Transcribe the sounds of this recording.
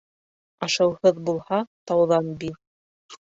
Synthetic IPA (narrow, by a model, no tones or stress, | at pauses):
ɑʃɤ̆whɤðbulˠhɑt̪ɑwðɑnbiɾ